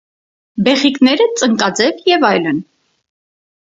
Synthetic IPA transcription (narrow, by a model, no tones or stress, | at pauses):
bɛχiknɛɾət͡sʼəŋkɑd͡zɛvjɛvɑjlən